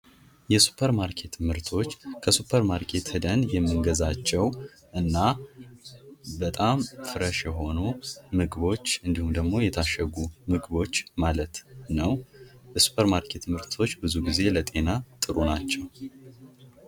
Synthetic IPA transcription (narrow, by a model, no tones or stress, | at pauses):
jɛsu̥pʰəɾmaɾkʰe̞t̪mɨɾt̪ʰo̞t͡ʃːkʰəsupʰəɾmaɾkʰe̞t̪hɨd̪ənjɛmːɨnɡəzat͡ʃːɛw | ʔɨnːa | bət̪ʼamfɨɾəʃjɛɦo̞numɨɡɨβo̞t͡ʃːɨnd̪ihumd̪əɡmo̞jɛt̪ʰaʃːəɡumɨɡɨbo̞t͡ʃːmalət̪nəwjɛsu̥pʰəɾmaɾkʰe̞t̪mɨɾt̪ʰo̞t͡ʃːbɨzuɡize̞lət̪ʼe̞nat̪ʼɨɾunat͡ʃːɛw